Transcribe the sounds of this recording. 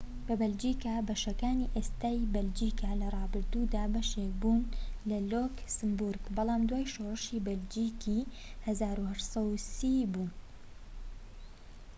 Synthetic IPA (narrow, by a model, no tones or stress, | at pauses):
bɐbɐld͡ʒiːkaːbɐʃɐkaːniʔeːst̪aːjbɐld͡ʒiːkalɐrˤɑːbɨɾd̪ud̪aːbɐʃek̚buːnlɐloːksɨmbuɾɡbɑlˠɑːmd̪waːjʃoːrɨʃibɐld͡ʒiːkʰi | hɐzaːɾuhɐʃsˤɑusiːbuːn